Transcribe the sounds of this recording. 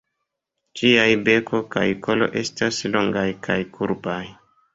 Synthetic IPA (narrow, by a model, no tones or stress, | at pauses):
t͡ʃiajbe̞kʰo̞ka̰jkʰo̞lo̞̰ʔe̞stasloŋɡajkajkʰuɾbaj